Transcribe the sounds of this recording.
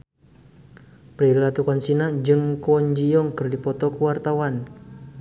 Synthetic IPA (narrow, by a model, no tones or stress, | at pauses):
pɾillat̪ukɔnsinad͡ʒɨŋkɔɲd͡ʒijɔŋkərdipɔt̪ɔkəwart̪awan